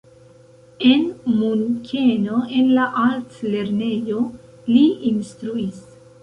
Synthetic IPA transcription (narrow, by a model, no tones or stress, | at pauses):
e̞nmunkʰenoe̞nlaʔaltle̞ɾne̞jo̞ | liinstɾuis